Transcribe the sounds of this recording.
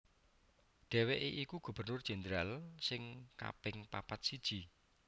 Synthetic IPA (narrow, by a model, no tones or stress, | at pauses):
ɖ̥ɛ̤weʔeʔikuɡ̥ṳb̥ə̤rnʊrd̥ʒ̥ɛ̤nd̪ɾalsɪŋka̰pɪŋpa̰pat̪̚sid̥ʒ̥i̤